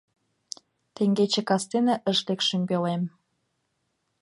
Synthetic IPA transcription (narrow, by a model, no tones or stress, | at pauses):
t̪eŋɡet͡ɕĕkɑst̪eneʔəʃlekʃəmpelem